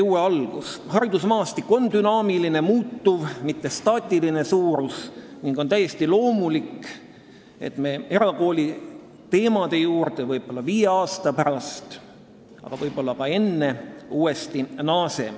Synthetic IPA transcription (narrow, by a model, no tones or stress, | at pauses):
uːeɑlɡ̥ushɑɾid̪usmɑːst̪ikːˑo̞nd̪̥ynɑːmiline̞muːt̪ːuvmit̪ːe̞st̪ɑːt̪ʲːˑiline̞suːɾusniŋɡ̥o̞nt̪æjːe̞st̪ilo̞ːmulikː | e̞̰t̪me̞ːe̞ɾɑko̞ːlʲi | t̪e̞ːmɑd̪e̞juːɾt̪e̞vɤjb̥o̞lːɑviːje̞ɑːst̪ɑpæɾɑst̪ | ɑ̰ɡ̥ɑvɤjb̥o̞lːɑkɑe̞nːe̞uːe̞st̪inɑːse̞̰